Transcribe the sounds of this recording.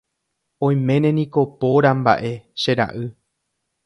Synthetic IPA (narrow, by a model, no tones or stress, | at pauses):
õ̞j̃mẽ̞nẽ̞nĩko̞po̞ɾamba̰ʔe̞ʃeɾa̰ʔɨ